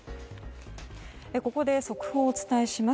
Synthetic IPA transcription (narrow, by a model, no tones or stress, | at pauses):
eko̞ko̞d̪e̞so̞kɯ̟̥ho̞ːt͡sɨ̥t̪aeɕima